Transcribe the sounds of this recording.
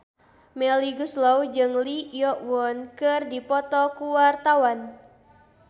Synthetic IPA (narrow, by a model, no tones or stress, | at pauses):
mɛliɡuslɔwd͡ʒɨŋlijɔʔwɔnkɨrdipɔt̪ɔkuwart̪awan